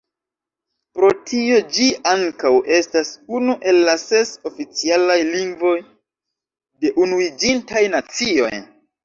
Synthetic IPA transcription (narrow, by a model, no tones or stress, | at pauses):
pɾo̞tʰio̞d͡ʒiaŋkawʔe̞stasunuʔe̞lːase̞so̞fit͡sialajliŋɡvo̞j | de̞ʔunuid͡ʒintajnat͡sio̞̰j